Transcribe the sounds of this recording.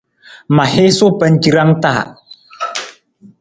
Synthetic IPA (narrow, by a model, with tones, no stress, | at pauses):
ma˨he˦sʊ˦pɛ˦nd͡ʒi˦ɾa˦ŋta˦˨a̰˨